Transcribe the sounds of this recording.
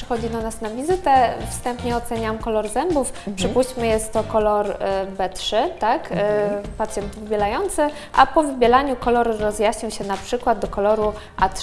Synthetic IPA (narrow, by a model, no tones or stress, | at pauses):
ʂɘxɔd͡ʑid̪ɔnasnavʲizɘt̪ɛfst̪ɛmpɲɛɔt̪sɛɲamkɔlɔɾzɛmbufpʂɘpuɕt͡ɕmɘjɛst̪ːɔkɔlɔɾbɛtʂɘt̪akpat̪sʲjɛnt̪vɘbʲjɛlajɔnt̪sɘ | ʔa̰pɔvɘbʲjɛlaɲukɔlɔɾɾɔzjaɕɲiwɕɛnapʂɘkwad̪̚d̪ɔkɔlɔɾu | ʔa̰t̪